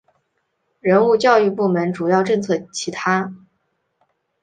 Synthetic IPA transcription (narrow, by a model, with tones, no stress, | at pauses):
ɻə˧˥nu˥˧t͡ɕjɑ˥˧ʊy˥˧pu˥˩mə˧˥nʈ͡ʂu˨˩jɑ˥˧ʊʈ͡ʂɤ˥˧ŋt͡sʰɤ˥˩t͡ɕʰi˧˥t̪ʰa˥